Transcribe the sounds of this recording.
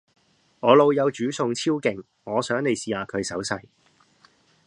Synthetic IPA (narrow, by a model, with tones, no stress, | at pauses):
ŋɔː˨˧lo˨˧wjɐ˨˧wt͡ʃyː˨˥sʊ˧ŋt͡sʰiː˥wkɪ˨ŋ | ŋɔː˨˧sœː˨˥ŋne˨jsiː˨aː˨˧kʰɵ˨˧ɥsɐ˨˥wsɐ˧j